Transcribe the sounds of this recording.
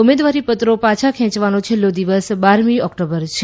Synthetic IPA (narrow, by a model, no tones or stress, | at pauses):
ʊmed̪ʋaɾipət̪ɾopãt͡ʃʰakʰɛ̃t͡ʃʋanõt͡ʃʰelːod̪iʋəsbaɾmiɔkʈobəɾt͡ʃʰe